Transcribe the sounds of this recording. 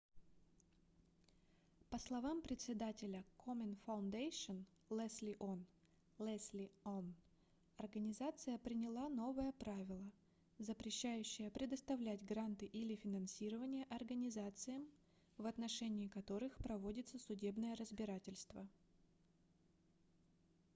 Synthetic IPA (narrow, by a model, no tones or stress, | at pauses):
pəslˠɐvampɾʲɪt̪ʲsʲɪd̪atʲɪlʲəkʰomʲənfɐʊnd̪ejɕən | lˠɛsʲlʲɪʔon | lˠɛsʲlʲɪon | ɐrɡənʲɪzat̪sɨjəpɾʲɪnʲɪlˠano̞vəjəpɾavʲɪlˠə | zəpɾʲɪɕːæjʉɕːɪjəpɾʲɪd̪əst̪ɐvlʲætʲɡɾant̪ɨʔilʲɪfʲɪnɐnsʲiɾəvənʲɪjəʔɐrɡənʲɪzat̪sɨjəm | vɐt̪nɐʂɛnʲɪːkɐt̪o̞ɾɨxpɾɐvo̞dʲɪt̪səsʊdʲe̞bnəjəɾəzbʲɪɾatʲɪlʲst̪və̰